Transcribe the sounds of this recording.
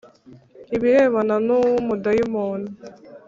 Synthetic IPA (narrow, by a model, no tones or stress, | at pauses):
iβiɾeːβananumudajumoːna